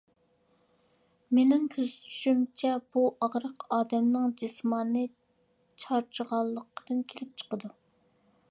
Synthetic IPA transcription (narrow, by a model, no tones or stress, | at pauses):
menɪŋkʲʰøzt̪ʰy̥ʃymt͡ʃʰɛb̥uʔɑʁɾəqɑːd̪ɛmnɨŋd͡ʒismɑnːɨ | t͡ʃʰɑɾt͡ʃʰəʁɑlˠːəqːəd̪̥ɨnkʲʰelɪp̚t͡ʃʰə̥qəd̪u